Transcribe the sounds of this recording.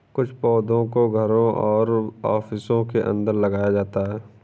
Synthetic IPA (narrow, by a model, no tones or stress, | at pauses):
kʊt͡ʃʰpɔːd̪õkoɡʱəɾõʔɔːɾɔːfɪsõkeʔə̰̃nd̪əɾlɐɡaːjad͡ʒaːt̪aɦɛː